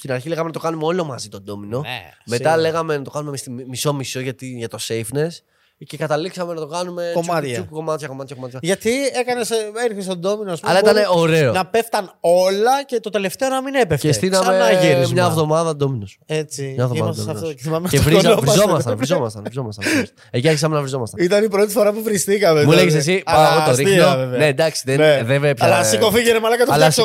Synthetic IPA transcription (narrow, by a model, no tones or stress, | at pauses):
st̪inɐɾçileɣɐmenɐt̪o̞kɐnumeo̞lo̞mɐzit̪o̞nd̪o̞mino̞me̞t̪ɐle̞ɣɐme̞nɐt̪o̞kɐnumesimiso̞miso̞ʝɐt̪iʝɐt̪o̞sejfnes | ce̞kɐt̪ɐliksɐme̞nɐt̪o̞kɐnume̞ikko̞mɐt̪çɐko̞mɐt̪çɐkomɐt̪çɐʝɐt̪ie̞kɐne̞seɾiθist̪od̪o̞minoɐspɐllɐit̪ɐne̞o̞ɾe̞onɐpe̞ft̪ɐno̞lɐce̞t̪ot̪e̞le̞ft̪e̞onɐminepefcest̪inɐmeɐʝenimɲɐːvðo̞mɐðɐd̪ominoset͡siɲɐvðoɐd̪oeθimɐmevɾizɐovɾiszo̞mɐst̪ɐnvizo̞mɐst̪ɐnɾizo̞mɐst̪ɐnis | eciɐɾçis̬ɐmenɐvɾizo̞mɐst̪ɐit̪ɐnipɾo̞t̪ifo̞ɾɐpuvɾist̪ikɐmemuleʝes̬es̬iɐtot̪oɾixovvned̪ɐksi̥ðeneðevepçɐsikofiʝenemɐlɐkɐt̪oɐlɐs